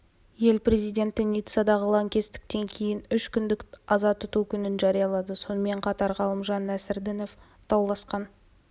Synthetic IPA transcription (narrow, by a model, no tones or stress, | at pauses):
je̞lpre̞zijd̪ʲe̞nt̪ɪnʲijt̪sɑd̪ɑʁəlˠɑŋkʲe̞st̪ɪ̥k̚t̪e̞ŋkʲʰe̞jɪnʏʃkʲʰʏnd̪ɪkɑzɑt̪ʊt̪ukʲʰʏnɪnʒɑɾijɑlˠɑd̪əso̞nəme̞ɴqʰɑt̪ɑɾʁɑlˠəmʒɑnːæsɪɾd̪ɪno̞f | t̪ʰɑwlˠɑsqɑn